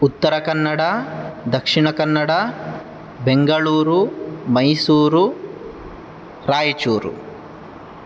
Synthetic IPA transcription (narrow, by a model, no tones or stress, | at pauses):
ut̪ːɐɾɐkɐnːɐɽɐd̪ɐkʂiɳɐkɐnːɐɽɐ | beŋɡɐɭuːɾumɐjsuːɾu | ɾaːjɐt͡ʃuːɾṵ